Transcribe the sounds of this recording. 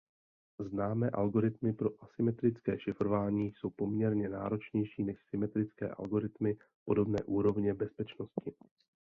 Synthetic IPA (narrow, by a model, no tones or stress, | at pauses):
znaːmɛːʔalɡo̞ɾɪt̪mɪpɾo̞ʔasɪmɛt̪ɾɪt͡skɛ̰ːʃɪfɾovaːɲiːso̞wpo̞mɲɛɾɲɛna̰ːɾo̞t͡ʃɲɛjʃiːnɛʃsɪmɛt̪ɾɪt͡skɛ̰ːʔa̰lɡo̞ɾɪt̪mɪ | po̞do̞bnɛ̰ːʔuːɾo̞vɲɛbɛspɛt͡ʃno̞scɪ